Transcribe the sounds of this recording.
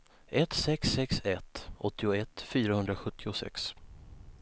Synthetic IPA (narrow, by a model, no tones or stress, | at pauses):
ʔɛt̪sɛksːɛksɛt̪ɔt̪ːɪʊɛt̪fyːɾahɵnd̪ɾaɧɵt̪ʰːɪʊsɛ̰ks